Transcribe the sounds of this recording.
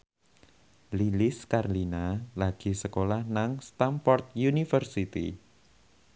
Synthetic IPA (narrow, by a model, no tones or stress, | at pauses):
lilɪskarlinalaɡ̥i̤səkolahnaŋst̪amfɔrt̪̚junifərsit̪ḭ